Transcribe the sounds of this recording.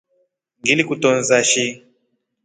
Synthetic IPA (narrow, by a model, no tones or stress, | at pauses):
ŋɡilikutɔnzaʃi